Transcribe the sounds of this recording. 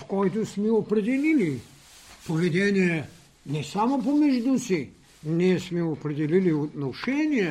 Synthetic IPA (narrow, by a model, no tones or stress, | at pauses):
fkɔjt̪osmɛopɾɛd̪ɛlili | povɛd̪ɛnʲijɛ | nɛsamopomɛʒd̪usi | nɛsmɛopɾɛd̪ɛliliot̪noʃɛnʲijɛ